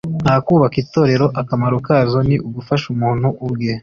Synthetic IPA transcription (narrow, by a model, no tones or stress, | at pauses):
n̥haːkuːβakito̞ːɾe̞ɾo̞ʔakamaɾukaːzo̞niʔuɡufaʃumuːn̥huʔubɡiːh